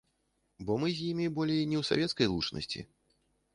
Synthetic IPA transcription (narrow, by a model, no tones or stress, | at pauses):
bɔmɨzʲjimʲibɔlʲejnʲɛwsa̰vʲɛt̪skɐjlˠut͡ʂnʔɐ̰sʲt͡sʲḭ